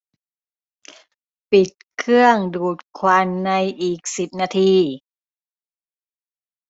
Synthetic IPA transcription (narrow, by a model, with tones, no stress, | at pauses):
pi˨˩t̪̚kʰɯ˥˩əŋduː˨˩t̪̚kʰwa˧nːa˧jʔiː˨˩k̚si˨˩p̚naː˧t̪ʰiː˧